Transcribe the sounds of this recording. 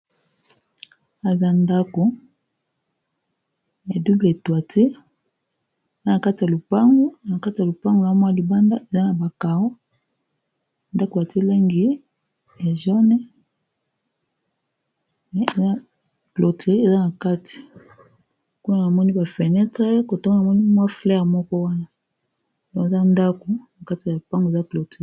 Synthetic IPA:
a˨za˦nda˦ko˨ | ja˨du˦ble˨twa˨tʰe˦˨ | za˦na˨ka˦ti˨ja˨lo˨pa˦ŋɡo˦na˨ka˦ti˨ja˨lo˨pa˦ŋɡo˨a˦mwa˦˨li˨ba˦nda˦e˨za˦na˨ba˨ka˨o˦˨ | nda˦ko˨ja˨te˦le˦ŋɡi˦ | e˨ʒɔ˦nɛ˦ | e˨za˦ | klo˨te˨ʁi˦e˨za˦na˨ka˦ti̥˨ | ku˦na˦na˨mɔ˦ni˦ba˨fɛ˨nɛ˦ta˦ko˨to˦ŋo˦na˨mɔ˦ni˦mwa˦flɛ˦a˨mɔ˦kɔ˦wa˦na˦ | do˨e˨za˦nda˦ko˨na˨ka˦ti˨a˨lu˨pa˦ŋɡo˨za˦klo˨t

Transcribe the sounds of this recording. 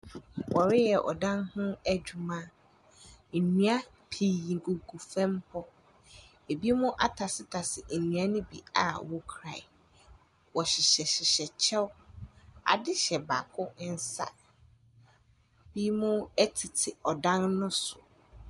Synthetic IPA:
wɔ˨ɾɪ˦jɛ˨ʔɔ̰˨dã˦nhʊ̃˦æ˦d͡ʑᶣu˨mã˦ | m̩˨nũ˦a˦ | pʰi˨jĩ˨ɡu˨ɡu˨fɛ̃˦mpʰɔ˦ | e˨bi˦mʊ̃˦ʔa˦tʰa˨sɪ˦tʰa˨sɪ˨m̩˨nũ˨a˦nʊ̃˦bḭ˨a̰˨wɔ˦kʰɾa˨ | wɔ˨ɕɪ˨ɕɛ˨ɕɪ˨ɕɛ˨t͡ɕʰɛ˦w | a̰˨dɪ˦ɕɛ˨ba˨kʰʊ˦n̩˦sa̰˨ | b̥i˦mʊ̃˦ɛ˦tʰi˨tʰɪ˨ɔ˨dã˦nːʊ̃˦sʊ˨

